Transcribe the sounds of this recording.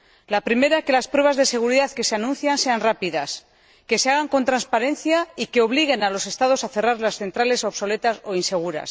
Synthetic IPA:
lapɾime̞ɾake̞laspɾwe̞β̞azðe̞se̞ɣ̞uɾiðaðke̞seanũn̟θjanse̞anrapiðas | ke̞seaɣ̞aŋko̞nt̪ɾanspaɾe̞nθjaike̞o̞β̞liɣ̞e̞nalo̞se̞st̪að̞o̞saθe̞raɾlasθe̞nt̪ɾale̞so̞βso̞le̞t̪aso̞inse̞ɣ̞uɾa̰s

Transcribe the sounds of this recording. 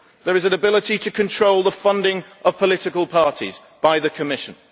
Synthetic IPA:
ðəɹɪzə̃nəbɪlɪtitʰəkʰə̃ntʰɹ̥oʊlˠðəfʌ̃ndɪ̃ŋʔəv̥pʰəlɪtɪkəlˠpʰɑˑtʰḭz | b̥aɪðəkʰəmɪʃə̃n

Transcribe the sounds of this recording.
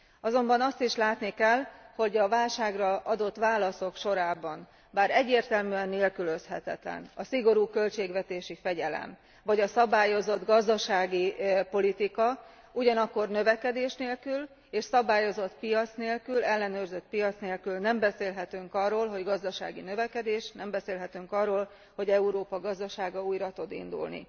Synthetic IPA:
ɒzo̞mbɒnɒst̪iʃlaːt̪nikɛlho̞ɟɒvaːlʃaːɡrɒʔɒd̪o̞t̪ːʋaːlɒso̞kʃo̞ɾaːbɒn | baːɾɛɟːeːrt̪ɛlmyɛnːeːlkyløshɛt̪ɛ̰t̪lɛ̰nɒsiɡo̞ɾuːkø̞lt͡ʃeːɡʋɛt̪eːʃifɛɟɛlɛ̰m | vɒɟɒsɒbaːjo̞zo̞d̪ɡɒzd̪ɒʃaːɡipo̞lit̪ikɒ | uɟɒnɒkːo̞rnø̞vɛkɛd̪eːʃneːlkyl | eːʃsɒbaːjo̞zo̞t̪pijɒt̪sneːlkylɛlːɛnøːrzøt̪̚pijɒt̪sneːlkylnɛmbɛseːlɦɛt̪yŋkɒrːoːlɦo̞ɟɡɒzd̪ɒʃa̰ːɡinøvɛkɛd̪eːʃnɛmbɛseːlɦɛt̪yŋkɒrːoːl | ho̞ɟɛuɾoːpɒɡɒzd̪ɒʃaːɡɒuːjɾɒt̪od̪ḭnd̪ṵlnḭ

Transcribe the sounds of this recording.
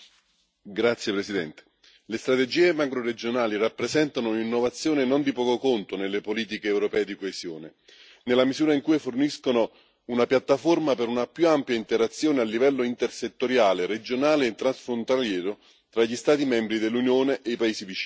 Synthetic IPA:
ɡɾat̪sjepɾesid̪ɛnt̪e̥ | lest̪ɾat̪ed͡ʒiːemakɾoɾed͡ʒonaːlirapːɾezɛnt̪anoinːovat̪sːjoːnenond̪ipɔːkokont̪onelːepoliːt̪̬ikeːwɾopɛːed̪ikoesjoːne | nelːamizuːɾaiŋkuːjforniskono | unapjat̪ːaformapeɾunapjuampjaint̪eɾat̪sːjoːnealːivɛlːoint̪erset̪ːoɾjaːleɾed͡ʒonaːleːt̪ːɾansfɾont̪aljɛːɾo | t̪ɾaʎːist̪aːt̪̬imɛmbɾid̪elːunjoːneʔːipaeːsivit͡ʃiː

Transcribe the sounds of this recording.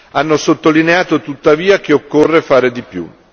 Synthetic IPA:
anːosot̪ːolineaːt̪ot̪ut̪ːaviːak̟eokːorːefaːɾed̪ipjṵ

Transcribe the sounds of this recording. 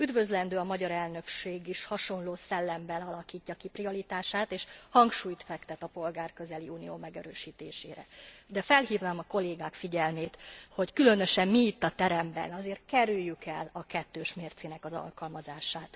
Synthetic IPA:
yd̪vø̞zlɛnd̪øːɒmɒɟɒɾɛlnø̞kʃeːɡiʃhɒʃo̞nloːsɛlːɛmbɛnɒlɒkiːcːɒkipriɒlit̪aːʃaːt̪eːʃhɒŋkʃuːjt̪fɛkt̪ɛt̪ɒpo̞lɡaːrkø̞zɛliuːnijo̰ːmɛɡɛɾøːʃiːt̪ḛːʃḛːɾɛ̰d̪ɛfɛlhiːvnaːmɒko̞leːɡaːkfiɟɛlmeːt̪ho̞ckylø̞nø̞ʃɛmmiːt̪ːɒt̪ɛɾɛmbɛ̰nɒzeːrt̪̚kɛɾyjːykɛlɒkɛt̪ːøːʃmeːrt̪sinɛkɒzɒ̰lkɒlmɒzaːʃaːt̪

